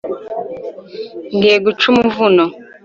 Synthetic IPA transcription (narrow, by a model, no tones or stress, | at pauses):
ŋɡeɡut͡ʃumuvunɔ